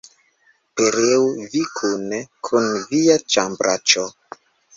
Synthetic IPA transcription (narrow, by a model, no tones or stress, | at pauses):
peɾeuvikʰunekʰunviat͡ʃambɾʔat͡ʃo